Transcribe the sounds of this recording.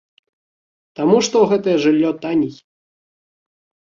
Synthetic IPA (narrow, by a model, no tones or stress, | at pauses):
t̪amuʂt̪ɔwɣɛt̪ɐjɛʐɨlʲːɔt̪anʲijʲ